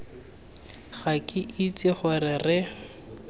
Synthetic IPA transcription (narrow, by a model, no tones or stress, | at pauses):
ɣakʼɪʔit͡sʼɪχʊrɪrɪ